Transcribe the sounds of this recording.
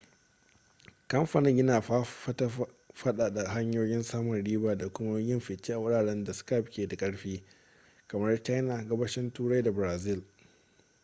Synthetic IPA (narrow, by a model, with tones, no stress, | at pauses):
kɐ˦mɸa˨nɪ˦ŋjɪ˦naː˨˦ta˦ | ɸɐ˦ɗaː˨ɗa˨ɦa˦ɲjoː˦jɪ˦nsaː˦mʊ˨nɽiː˦baː˨da˨kʷʊ˦ma˦jɪ˦mɸɪ˨t͡ʃːiː˦ʔa˨wʊ˦ɽaː˨ɽɛ˦nda˨ska˦˨p̚kʲeː˨da˨kʼɐ˦ɽɸiː˦ | kɐ˨mɐ˦rt͡ʃa˦jna˨ɡɐ˦bɐ˦ʃɪ˦ntuː˦ɽa˦jda˨bɾaː˨zɪ˦˨l